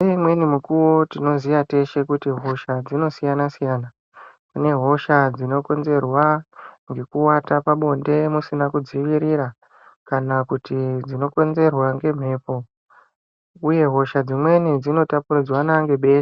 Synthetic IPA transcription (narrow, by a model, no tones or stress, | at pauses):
emwe̞nimukuwo̞tino̞ziʋate̞ʃe̞kutiɦo̞ʃad͡zino̞sijanasijana | kune̞ɦo̞ʃad͡zino̞ko̞nze̞rwaŋɡe̞kuwatapaɓo̞nde̞musinakud͡ziʋiɾiɾa | kanakutid͡zino̞ko̞nze̞rwaŋɡe̞m̤e̞ːpo̞ | uje̞ɦo̞ʃad͡zimwe̞nid͡zino̞tapurid͡zwanaŋɡe̞ɓe̞ːse̥